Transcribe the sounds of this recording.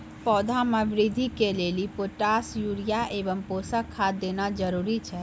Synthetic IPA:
pɔːd̪ʱamɛ̃ʋɾid̪ʱikelelipoʈasjuɾijaʔebəmposakʰːad̪ːeːnad͡ʒəɾuɾit͡ʃʰɛ

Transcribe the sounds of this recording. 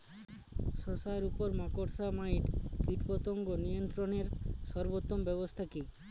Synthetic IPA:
sɔsaeɾupɔɾmakoʈsamaiʈkiʈpɔt̪ɔŋɡonijɔnt̪ɾɔneɾsɔɾbot̪ːɔmbɛbɔst̪ʰaki

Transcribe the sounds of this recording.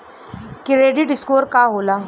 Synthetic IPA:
kɪɾeɖiʈɪskoːɾkaɦolaː

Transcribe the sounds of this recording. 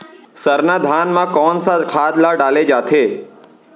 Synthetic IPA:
səɾnad̪ʱanmãkɔnsakʰad̪laɖaled͡ʒat̪ʰe

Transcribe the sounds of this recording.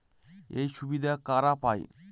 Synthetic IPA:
ejʃubid̪akaːɾapa̰ːj̰

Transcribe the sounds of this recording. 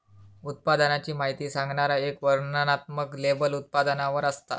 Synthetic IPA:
ut̪̚pad̪ənat͡ɕiːmaɦit̪iːsãŋɡɳaɾaekʋəɾnənat̪məklebəlut̪̚pad̪ənaʋəɾəst̪a̰

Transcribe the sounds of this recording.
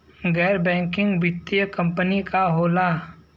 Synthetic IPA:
ɡɛːɾbɛ̃ːŋkɪ̃ŋɡʋɪt̪ːjəkɐ̃mpənikaɦoːla

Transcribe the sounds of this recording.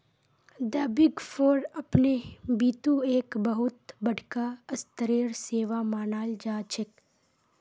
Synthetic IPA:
d̪əːbɪɡfoːɾɐpnebiːt̪ueːkbəɦʊt̪bɐɽʱkaɐst̪əɾiːɾseːʋamaːnaːld͡ʒaːt͡ʃʰɪk

